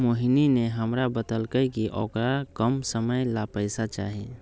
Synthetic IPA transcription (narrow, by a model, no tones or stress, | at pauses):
moɦinineɦəmɾabəd̪əlkəjkiʔɔ̰ːkɾakəmsəməjlapəɪsat͡ʃa̰ːɦi